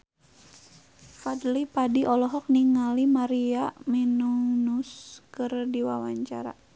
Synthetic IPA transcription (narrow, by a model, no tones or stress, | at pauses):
fadlipadiʔɔlɔɦɔk̚niŋalimaɾiaminuŋnuskɨrdiwawaɲt͡ʃa̰ɾa̰